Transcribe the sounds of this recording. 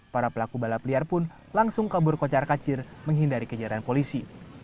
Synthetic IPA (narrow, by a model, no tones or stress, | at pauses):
paɾapəlakubalapəliarpʊn | laŋsʊŋkabʊrkot͡ʃarkat͡ʃɪrməŋɦindaɾikəd͡ʒaɾanpolisi